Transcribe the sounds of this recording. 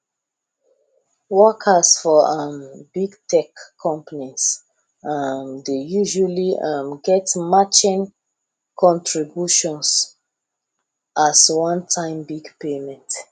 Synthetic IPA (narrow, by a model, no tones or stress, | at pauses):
wɔkʰəsfɔʌmbiɡtɛkʰːɔ̃mpənis | amdejuʒaliʌmɡɛtmat͡ʃĩn | kʰɔ̃ntʰɹibjuʃɔ̃ns | aswãntʰãɪ̃mbiɡpemɛ̃nt